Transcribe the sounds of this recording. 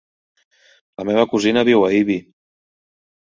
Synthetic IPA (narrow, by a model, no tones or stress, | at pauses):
ləmeβ̞əkuzinəβiwəiβi